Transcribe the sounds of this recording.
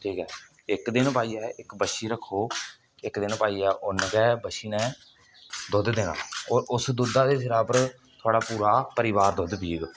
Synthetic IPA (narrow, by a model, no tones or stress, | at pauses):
ʈʰiːkɦɛː | ɪkd̪ɪnpaːiːɛːʔɪkbəʃiːɾəkʰːoː | ɪkd̪ɪnpaːiːɛːʔʊnːkɛːbəʃiːnɛ̃ː | d̪ʊd̪d̪ɪna̰ːoːɾʊsd̪ʊd̪aːd̪eːsɪɾaːpəɾ | t̪ʰʊaːɽaːpuːɾaːpəɾɪʋaːɾd̪ʊd̪bʱiːɡ